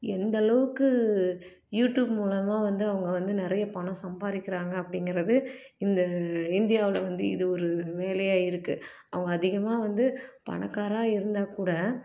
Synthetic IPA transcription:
ɛnd̪ɐlɐʋɯkːɯ | juːʈjuːbmuːlɐmaːʋɐnd̪ɯɐʋɐŋɡɐʋɐnd̪ɯnɪɾɐjɐpɐɳɐ̃sɐmbaːɾɪkːɪɾaːŋɡɐːpːɐɽɪŋɡɪɾɐðɯ | ɪnd̪ɐɪnd̪ɪjaːʋɪlɐʋɐnd̪ɯɪ̰ðɯɔɾɯʋeːlɐjaːjɪɾɯkːɯ | ɐʋɐŋɡɐːðɪɣɐmaːʋɐnd̪ɯpɐ̰ɳɐkːaːɾaːɪɾɯnd̪aːkuːɽɐ

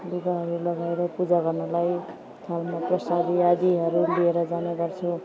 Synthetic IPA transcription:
luɡaɦʌɾulʌɡaeɾʌpud͡zaɡʌrnʌlaj | t̪ʰalmaprʌsad̪iad̪iɦʌɾulieɾʌd͡zaneɡʌrt͡sʰu

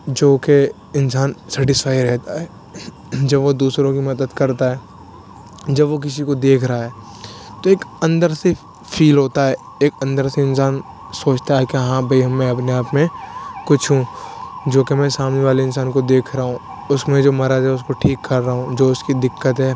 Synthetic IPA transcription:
d͡ʒoːke | ɪnsaːnsɛːʈɪsfaːiɾɛɦt̪aɦɛː | d͡ʒɐbʋod̪uːsɾõkimɐd̪əd̪kɐɾt̪aɦɛː | d͡ʒɐbʋok̬ɪs̬ikod̪eːkʰɾɐɦaɦɛː | t̪oeːkɐ̃nd̪əɾse | fʰiːlɦoːt̪aɦɛː | eːkɐ̃nd̪əɾseɪ̃nsaːn | soːt͡ʃt̪aɦɛkeɦãbʱɐiɦɐmːɛ̃ɐpneaːpmẽkʊt͡ʃʰɦũd͡ʒoːkemɛ̃ːsaːmneʋaːleɪ̃nsaːnkod̪eːkʰɾɐɦũ | ʊsmẽd͡ʒoːmɐɾad͡ʒɦɛʊskoʈʰiːkːɐɾːaɦũd͡ʒoːʊskid̪ɪkːət̪ɦɛː

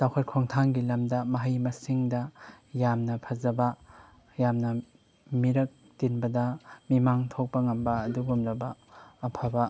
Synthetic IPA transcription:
sawkʰɐt̚kʰoŋtʰaŋɡilɐmdɐmɐɦɐjmɐsiŋdɐ | jamnɐpʰɐzɐbɐ | jamnɐ | miɾɐk̚ | tinbɐdɐmimaŋtʰok̚pɐŋɐmbɐːduɡumlɐbɐːpʰabɐ

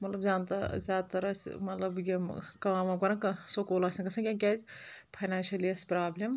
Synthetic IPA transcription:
mɐt̪lɐbzʲaːnt̪ɐzʲaːd̪̚t̪ɐɾɐsmɐt̪lɐbjimkaːmɐkɐɾɐnkɐsokoːlɐsɐnkɐsʰɐ̃kʲekʲazʲpʰɐjnaːnʃɐlijɐspɾaːblem

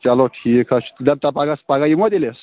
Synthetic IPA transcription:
t͡ʃaloʈʰikʰast̪ud̪ab̚t̪apaɡaspaɡajimɔd̪eles

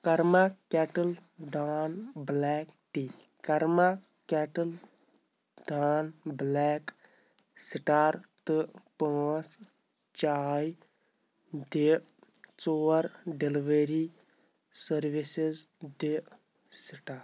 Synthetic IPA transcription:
kɐɾmakɛːʈəlɖaːnblɛːkʈi | kɐɾma | kɛʈəl | ɖaːnblɛːk | siʈaːɾt̪ɨpat͡s | t͡ʃaːj | d̪e | t͡soːɾɖeliʋeɾi | səɾʋisiz | d̪e | siʈaːɾ

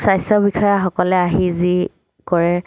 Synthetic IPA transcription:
sajsɔbixɔjaxɔkɔlɛaɦizi | kɔɹɛ

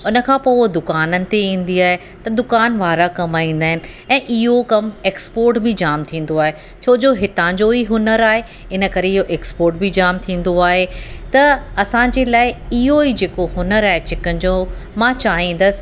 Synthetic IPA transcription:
ʊnə̆kʰãːpoːd̪ʊkaːnənɪ̆t̪eĩːn̆d̪iaːɦe | t̪ɐd̪ʊkaːnʋaːɾakɐmaːĩːn̆d̪aːɦɪnɪ̆ | ɛ̃ːʔɪɦokɐmeːkspoːɾʈbɪd͡ʑaːmt̪ʰĩːn̆d̪oaːɦe | t͡ɕʰoːd͡ʑoɦɪt̪ãd͡ʑoɦiɦʊnəɾaːɦe | ɪnə̆kɐɾeɪɦoʔeːkspoːɾʈ̚bid͡ʑaːmt̪ʰĩːn̆d̪oaːɦet̪ɐɐsãːɲd͡ʑeːlaːɪɪɦoid͡ʑeːkoɦʊnəɾaːɦet͡ɕɪkənɪ̆d͡ʑoːmãt͡ɕaːɦĩːn̆d̪əsɪ̥̆

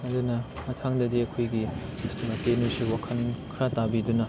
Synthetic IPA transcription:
ɐdunɐmɐtʰaŋdɐdiɐkʰojɡismɐkenusiwakʰɐnkʰɾatabidunɐ

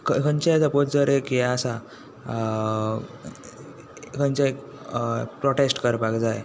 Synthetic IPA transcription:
kəkənt͡ɕed͡zapotd͡zəɾekjɛasa | kənt͡ɕek | pɾɔʈesʈkəɾpaɡd͡zaj

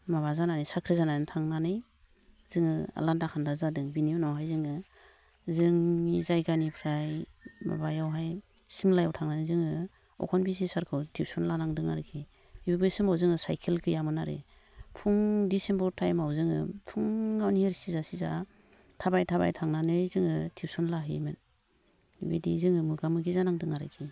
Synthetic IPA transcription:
maβazananɯjsakʰɾizanajntʰaŋnanɯj | z̥ɯŋɯa̰landakʰandazadɯŋbiniɔnawɦajzɯŋɯ | zɯŋizajɡanipʰɾajma̰bajawɦaj | simlajawtʰaŋnanɯjzɯŋɯ | ɔ̰kʰɔnbis̬isaɾkʰɯwtʰip̚sɔnlanaŋdɯŋa̰ɾɯkʰi | ibibɯjsɯmawzɯŋɯsajkʰelkʰɯjamɯnaɾḛ | pʰuŋdisembɔɾtʰajmawzɯŋɯ̰pʰuŋːawnieɾsizasiza | tʰabajtʰaba̰jtʰaŋnanɯzɯŋɯtʰip̚sɔnlaɦɯ̰jmɯn | bḭdizɯŋɯmɯɡamɯɡizanaŋdɯŋaɾɯ̰kʰi

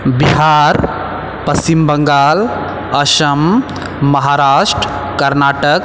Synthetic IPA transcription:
biɦaɾ | pəst͡ʃimbəŋɡaːl | əʃəmː | ɐɦaɾaːʃʈɾ | kəɾnaːʈək

